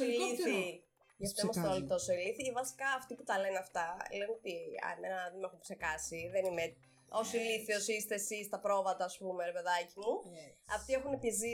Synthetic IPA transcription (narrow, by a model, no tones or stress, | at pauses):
liθi | ʝɐft̪oimɐst̪oolit̪o̞soiliθivɐsi̥kɐːft̪iput̪ɐlenɐft̪ɐleunot̪iɐ̰menɐðemexumksekɐsiðenime | o̞siliθiosist̪esist̪ɐpɾo̞vɐt̪ɐːspumeɾepe̞ðɐcimuɐft̪iexunepizi